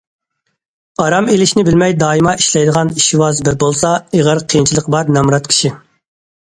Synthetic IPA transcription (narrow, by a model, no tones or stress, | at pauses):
ɑɾɑmelɪʃnɪbɪlmɛjd̪ɑːimɑʔiʃlɛjd̪əʁɑniʃiwɑzbɪɾbolˠsɑeʁəɾqʰijint͡ʃʰilˠəqbɑɾnɛmɾɑt̪̚kʲʰi̥ʃi